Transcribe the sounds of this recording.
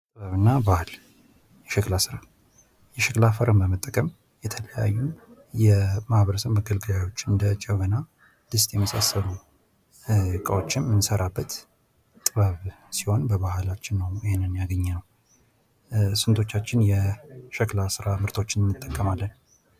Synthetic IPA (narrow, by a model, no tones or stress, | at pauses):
t̪ʼɨβəβɨnːabal | jɛʃɛklasɨɾa | jɛʃəklafəɾəmbəmət̪ʼːəkʼəm | jɛt̪ʰələja̰jːum | jɛmahβəɾəsəmːəɡəlɡɨlajo̞t͡ʃːɨnd̪ət͡ʃʼɛβəna | d̪̥ɨst̪ʼjɛməsasːəlu | kʼəwot͡ʃːɪnmɨnsəɾabːət̪ | t̪ʼɨβəβ | siho̞nbəβahalat͡ʃːɪnːəwjɪhenːɨnjaɡəɲːɛnəw | sɨnt̪ʰo̞t͡ʃːat͡ʃːɪnjɛʃəklasɨɾamɨɾt̪ʰo̞t͡ʃːɪnmːɨt̪ʼːəkʼːəmalːən